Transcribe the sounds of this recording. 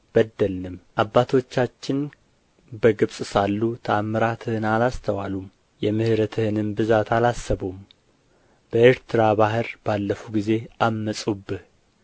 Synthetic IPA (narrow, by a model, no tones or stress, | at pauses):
b̥əd̪ːəlnɨmʔabːat̪ʰo̞t͡ʃːat͡ʃːɪn | bəɡɨβsʼsalːut̪ʰəamːɨɾat̪ʰɨhɨnalast̪ʰəwalum | jɛmɨhɨɾət̪ʰɨhɨnɨmbɨzat̪ʰalasːəβum | b̥əeɾt̪ʰɨɾabaɦɨɾb̥alːəfuɡize̞amːəsʼubːɨh